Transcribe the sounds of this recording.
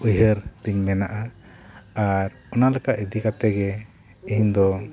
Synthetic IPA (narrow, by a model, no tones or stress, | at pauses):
ujɦəɾt̪iɲmɛnaʔa | aɾ | ɔnalɛkaʔid̪ikat̪ɛɡɛ | iɦɲd̪ɔ